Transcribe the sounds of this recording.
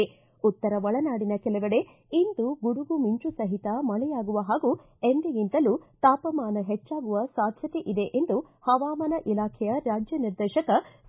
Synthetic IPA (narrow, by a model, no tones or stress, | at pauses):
e | ut̪ːɐɾɐʋɐɭɐnaːɽinɐkɛlɐʋɐɽe | ind̪uɡuɽuɡumiɲt͡ʃusɐɦit̪ɐmɐɭɛjaːɡuʋɐɦaːɡu | end̪eɡint̪ɐlut̪aːpɐmaːnɐɦet͡ʃːaːɡuʋɐsaːd̪ʱjɐt̪e̞ʔid̪e̞ʔend̪u | hɐʋaːmɐnɐʔilaːkʰɛjɐɾaːd͡ʒjɐniɾd̪eːʃɐkɐ